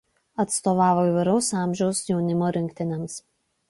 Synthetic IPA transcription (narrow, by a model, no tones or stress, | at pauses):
ɐt̪st̪oːʋɑːʋoiʋɐɪɾɐʊsɑˑmʲʒʲɛʊsjɛʊnʲɪmoːɾʲɪŋʲkt̪ʲɪnʲɛms